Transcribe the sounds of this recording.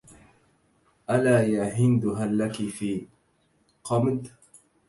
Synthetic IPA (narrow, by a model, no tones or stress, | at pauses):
ʔalaːjaɦɪnd̪ʊɦalːakifiː | qɑmd̪